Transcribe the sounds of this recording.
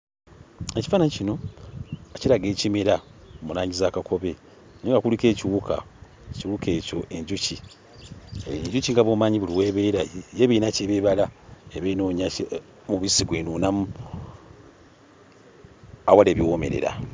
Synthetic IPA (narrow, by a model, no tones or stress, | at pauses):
ecifaːnaɲicino̞ | eciɾaɡe̞ːcimeɾamunaːɲizaːkakʰo̞βe̞ | neːŋɡakulike̞ːciwukʰa̰ | ciwuke̞ːco̞̰ʔe̞ɲɟuci | ɲɟuciŋɡaβoːmaːɲiβuliweːβeɾajejeβiːnaceβeβalaeβenoɲa | muβisiɡwenunam | awaleːβjiwome̞̰ɾḛɾa̰